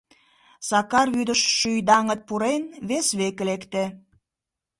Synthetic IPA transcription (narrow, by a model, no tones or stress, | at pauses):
sɑkɑrβyd̪əʃʃyjd̪ɑŋət̪̚puɾenβesβeklekt̪e